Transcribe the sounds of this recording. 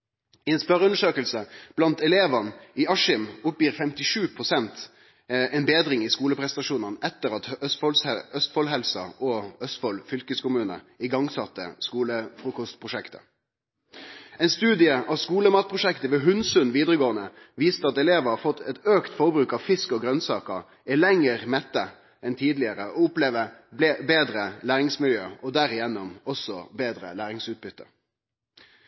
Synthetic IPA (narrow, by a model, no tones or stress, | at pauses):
ɪɛnspœʁəʉnəʂøːkəlsəb̥lɑnt̪ɛleːʋɑnɪɑʂɪmʊpjiːɾfɛmt̪ɪʂʉːpʰʁʊsɛnt̪ | ɛnbeːd̪ɾɪŋɪskuːləpʰʁɛst̪ɑʂuːnɑnɛt̪ːəɾɑt̪œst̪fɔlsɛœst̪fɔlɦɛlsɑ̰ʔɔœst̪fɔlfʏlkəskʊmʉːnə̰ | ɪɡɑŋsɑt̪ːə̰skuːləfʁʉːkɔst̪pʰʁʊʂɛkt̪ʰə̥̰ | ɛɪnst̪ʉːd̪ɪəʔɑʋskuːləmɑːt̪̚pʰʁʊʃɛkt̪əʋɛːɦʉnsʉnʋiːd̪ʁəɡoːənə | ʋiːst̪əɑt̪ɛleːʋəɑfɔt̪ʰːɛt̪øːkt̪fɔʁbɾʉːkɑʋfɪskɔɡɾœnsɑ̰ːkəɾ | ɛlɛŋːəʁmɛt̪ːə | ɛnt̪ʰiːd̪lɪəɾəɔʊpleːʋəbeːd̪ɾəlæːɾɪŋsmɪljøːɔd̪æːɾɪjɛnːʊmɔsɔbeːd̪ɾə̰læːɾɪŋsʉːt̪̚bʏt̪ːə̰